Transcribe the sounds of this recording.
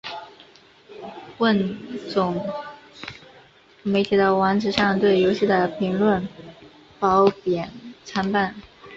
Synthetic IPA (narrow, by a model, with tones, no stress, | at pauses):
wə˥˩nt͡sʊ˨˩ŋ | me˧˥ɪt̪ʰi˨˩d̪ə˧˩wa˧˥nʈ͡ʂɻ̩˧˥ʂɑ˥˧ŋt̪we˥˩ɪjo˧˥ʊɕi˥˩d̪ə˩pʰi˧˥ŋlwə˥˩n | pɑ˧˥ʊpjɛ˨˩nt͡sʰa˥npa˥˩n